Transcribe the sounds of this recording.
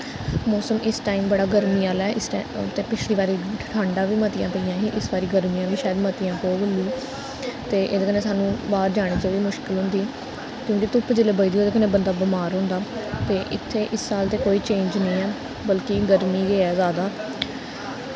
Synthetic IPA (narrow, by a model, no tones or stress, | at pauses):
mɔːsəmɪsʈaːiːmbəɽaːɡəɾmiːaːlɛːɪsʈt̪eːpɪt͡ʃʰliːʋaːɾiːʈʰãːɳɖãːʋiːmət̪ɪjãːpəijãːiːʔɪsbaːɾiːɡəɾmiːjãːʋiːʃaːəd̪mət̪ɪjãːpoːbəliː | t̪eːʔeːd̪eːkəneːsaːnũːbaːɾd͡ʒaːɽ̃iːt͡ʃaːʋiːmʊʃkɪlɦʊ̃nd̪iː | kjõːk̬ɪt̪ʊpd͡ʒɪleːbəid̪iːoːd̪eːkənẽːbənd̪aːbəmaːɾɦʊ̃ːnd̪aːt̪eːʔɪt̪ʰːeːʔɪsːaːlt̪eːkoːiːt͡ʃẽːɲd͡ʒnəĩːɛː | bəlkɪɡəɾmiːɡeːɛːzaːd̪aː